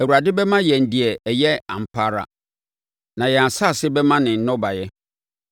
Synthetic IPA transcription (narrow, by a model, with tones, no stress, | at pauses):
æ˨wu˨ɾa˨dɪ˦bɛ˦mã˦jɛ˨n̩˨dɪ˨ɛ˨jɛ˦ã̰˨m̩˨pʰaː˦ɾa̰˨ | nã˨jɛ˨a˨sa˦˨sɪ˦bɛ˦mã˦nɪ̃˨n̩˦nɔ̃˦ba˨jɛ˦